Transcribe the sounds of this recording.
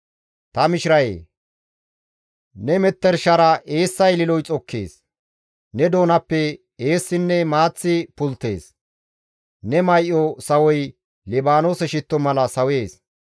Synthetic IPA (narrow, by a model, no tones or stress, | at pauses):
t̪ɐmɪʃɪɾɐjḛː | nɛmɛt̪ːɛɾʃɐɾɐʔe̞ːsːɐjlɪlɔjt͡sʼɔkʰːḛːs | nɛd̪o̞ːnɐpːɛ | e̞ːsːɪnːɛmaːt͡sːɪpʊlt̪ːe̞̰ːs | nɛmɐjʔɔsɐwɔj | lɛbaːnoːsɛʃɪt̪ːɔmɐlɐsɐwe̞ːs